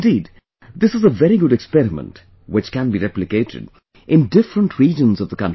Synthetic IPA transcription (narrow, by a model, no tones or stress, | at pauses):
diːd | d̪ɪsɨzəvɛɾiɡʊɾɛkspɛɾɪmə̰̃nt | wɨt͡ʃkæ̃nbiɾɛplɨkeɪɾʰɨ̰d | ʔɪ̃ndɪfɾə̃nʈʰɹiːd͡ʒə̃nzʌvðəkʌ̃n